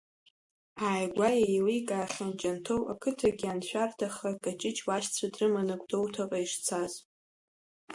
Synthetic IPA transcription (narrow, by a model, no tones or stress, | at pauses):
aːjɡʷajejlikʼaːχʲand͡ʒʼantʰowa̰kʰɨtʰaɡʲɪanʃʷᶣartʰaχakʼat͡ʃʼɪt͡ʃʰʼwaʃt͡sʷʰadrɨmanɨkʷʼdo̞wtʰaqʼaiʂt͡sʰaz̥